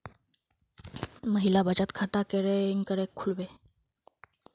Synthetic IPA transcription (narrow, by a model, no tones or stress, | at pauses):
məɦilabad͡ʑat̪kʰat̪akeɾeiŋkəɾekʰːulbe